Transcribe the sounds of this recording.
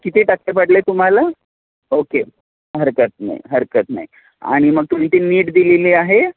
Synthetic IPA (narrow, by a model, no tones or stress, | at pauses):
kit̪iːʈakepəɽlet̪um̤ala | oke | ɦəɾkət̪̚na̰ḭɦəɾkət̪na̰i | a̰ɽ̃iməɡ̚t̪um̤it̪iːniːʈd̪ileliːaɦe